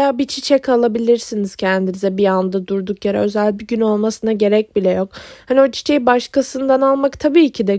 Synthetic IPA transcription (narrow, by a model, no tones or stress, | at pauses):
jaːbit͡ʃʰit͡ʃʰɛkalˠabilʲiɾsiniz̥cʰɛnd̪inizɛbiand̪ad̪uɾd̪ukjaɾɛ̰ø̞zælʲbiɟyno̞lˠmasɯnaɟe̞ɾɛc̚bilʲɛjo̞khanio̞t͡ʃʰi̥t͡ʃʰejbaʃkasɯnd̪analˠmakt̪ʰabiːcʰid̪ɛ